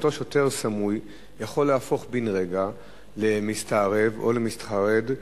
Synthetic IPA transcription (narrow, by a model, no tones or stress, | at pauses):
t̪o̞ʃote̞ʁsamuj | jaχo̞lːehafo̞χbinʁe̞ɡa | le̞mistaːʁe̞vo̞̰lemist̪χaʁe̞d